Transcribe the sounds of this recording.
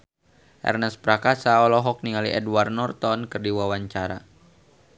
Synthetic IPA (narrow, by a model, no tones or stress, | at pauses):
ʔɛ̰rnɛspɾakasaɔlɔɦɔk̚niŋaliʔɛdwarnɔrt̪ɔnkɨrdiwawaɲt͡ʃaɾa̰